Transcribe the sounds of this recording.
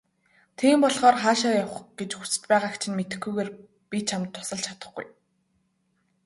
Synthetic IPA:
t̪ʰiːmpɔɮχɔːrχaːʃ̬aːjawχɡet͡ɕxu̥t͡sɘ̥̆t͡ɕpæːʁaːkt͡ɕʰɪ̆nmet̪ɘ̆xɡujɣeːr | pit͡ɕʰamt̪ʰːʊ̥sə̆ɮt͡ɕʰḁt̪ə̆χɡṵj

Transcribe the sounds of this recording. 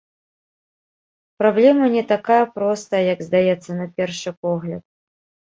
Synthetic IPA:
pɾablʲɛmɐnʲɛt̪akajɐpɾɔst̪ɐjɐjɐɡzd̪ajɛt̪sːɐnɐpʲɛrʂɨpɔɣlʲɐt̪̚

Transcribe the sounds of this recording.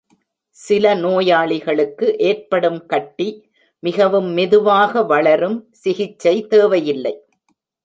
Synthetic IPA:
sɪlɐnoːjaːɭɪɣɐɭɯkːɯʔeːrpɐɽɯmkɐʈːi | mɪɣɐʋɯmːɪðɯʋaːɣɐʋɐɭɐɾɯmsɪɣɪt͡ʃːɐɪt̪eːʋɐjɪlːɐɪ

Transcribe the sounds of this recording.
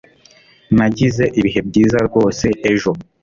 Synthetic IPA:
naɟize̞ʔiβiɦe̞b̚ɟiːzaɾɡo̞ːse̞ʔeʒo̞

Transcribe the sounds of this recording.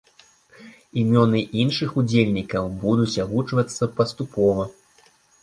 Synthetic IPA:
imʲɔnɨʔinʂɨxud͡zʲelʲnʲikɐwbud̪ut͡sʲaɣut͡ʂvɐt̪sːɐpɐst̪upɔvɐ

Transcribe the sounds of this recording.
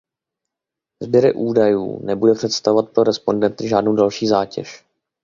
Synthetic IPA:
zbjɛɾɪ̰ʔuːdajṵːnɛbudɛpr̥ɛt̪st̪avovat̪̚pɾo̞ɾɛspo̞ndɛnt̪ɪʒaːdnowdalʃiːzaːcɛ̰ʃ

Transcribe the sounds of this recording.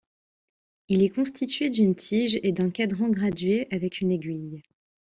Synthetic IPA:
ilɛkɔ̃st̪ʰit̪ɥed̪ynt̪ʰiʒed̪ɛ̃kad̪ʁɑ̃ɡʁad̪ɥeʔavɛkʰyneɡʲɥij

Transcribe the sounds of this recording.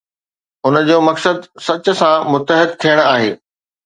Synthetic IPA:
ʊnə̆d͡ʑoːmɐksəd̪sɐt͡ɕʊ̆sãmʊt̪əɦɪd̪̚t̪ʰijəɽ̃aːɦḛː

